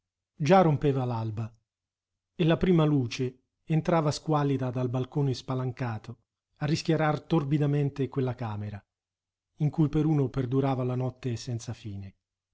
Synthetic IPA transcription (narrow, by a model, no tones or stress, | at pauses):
d͡ʒarompeːvalalba | elapɾiːmaluːt͡ʃeː | nt̪ɾaːvaskwalːid̪ad̪albalkoːnespalaŋkaːt̪o | arːiskjaɾart̪orbid̪ament̪ekwelːakaːmeɾa | iŋkujpeɾuːnoperd̪uɾaːvalanɔt̪ːesɛnt̪safiːne